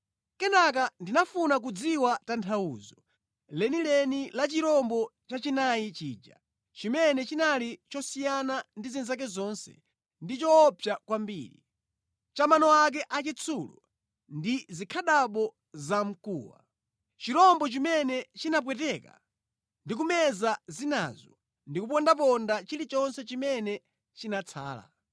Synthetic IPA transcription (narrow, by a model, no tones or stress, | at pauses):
kɛnak̬andinafunak̬ud͡ziwatantʰaṵːzɔ | lɛnilɛnilat͡ʃiɾɔmbɔt͡ʃat͡ʃinajit͡ʃiːd͡ʒa̰ | t͡ʃimɛnɛt͡ʃinalit͡ʃɔsijanandizinzak̬ɛzɔnsɛ̰ | ndit͡ʃɔːpʰjakwambḭːɾḭ | t͡ʃamanɔak̬ɛʔat͡ʃit͡sʰulu | ndizikʰaɗaɓɔ | zam̩kṵːwa̰ | t͡ʃiɾɔmbɔt͡ʃimɛnɛt͡ʃinap̬wɛtɛka̰ | ndik̬umɛzazina̰zɔ | ndikup̬ɔndap̬ɔndat͡ʃilit͡ʃɔnsɛt͡ʃimɛnɛ | t͡ʃinat͡sʰa̰ːla̰